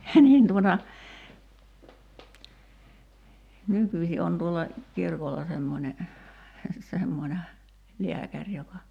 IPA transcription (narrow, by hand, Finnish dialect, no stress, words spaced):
niːn tuotɑ nykysʲi on tuolːɑ kirkolːɑ semːonʲe semːonʲe liækærʲ jokɑ